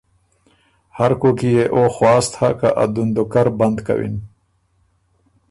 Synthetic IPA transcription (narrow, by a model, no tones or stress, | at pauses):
haɾkokijeʔoxwɑːst̪ʰaka̰ʔa̰d̪und̪okaɾband̪ka̰wḭn